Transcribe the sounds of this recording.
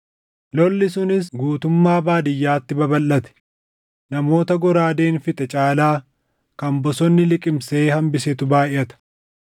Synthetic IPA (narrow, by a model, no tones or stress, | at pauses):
lɔlːɪsʊnɪs̬ɡuːt̪ʊmːaːbaːd̪ɪjːaːt̪ːɪbɐbɐlːɐt̪ɛ̥ | nɐmo̞ːt̪ɐɡɔɾaːd̪eːnfɪt̪ɛt͡ʃʼaːlaː | kɐmbɔsɔnːɪlɪkʼɪmseːhɐmbɪsɛt̪ʊbaːʔɪʔɐt̪ɐ̥